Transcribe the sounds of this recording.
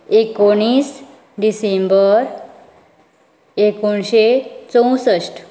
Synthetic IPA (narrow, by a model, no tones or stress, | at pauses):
ekoɽ̃is | ɖisembəɾ | ekoɳɕet͡sə̃w̃səsʈ